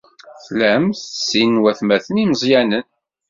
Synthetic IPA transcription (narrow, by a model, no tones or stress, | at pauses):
θlæmθəsːinwæθmæθəniməzˤjænən